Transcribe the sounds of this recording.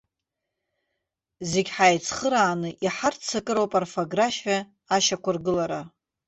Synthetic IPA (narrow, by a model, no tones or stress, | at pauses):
zeɡʲħajt͡sʰχəɾaːnɨʔiħart͡sʰakʼɨɾowpʼarfoɡraʃaː | ʃakʷʊrɡɨlaɾa